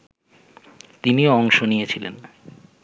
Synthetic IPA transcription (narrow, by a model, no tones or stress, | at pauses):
t̪inioɔŋʃonijet͡ɕʰilḛn